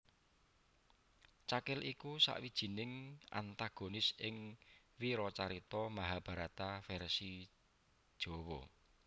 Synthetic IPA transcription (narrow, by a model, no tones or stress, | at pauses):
t͡ʃakɪlʔikusa̰ʔwid̥ʒ̥i̤nɪŋʔa̰nt̪aɡ̥onɪsʔɪŋ | wiɾɔt͡ʃaɾit̪ɔmaɦab̥a̤ɾat̪afɛrsi | d̥ʒ̥o̤wɔ